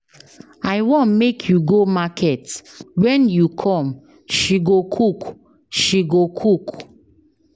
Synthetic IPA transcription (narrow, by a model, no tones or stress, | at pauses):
aɪwɔ̃nmekʰjuɡomakʰɛtwɛ̃njukʰɔ̃m | ʃiɡokʰuk | ʃiɡokʰuk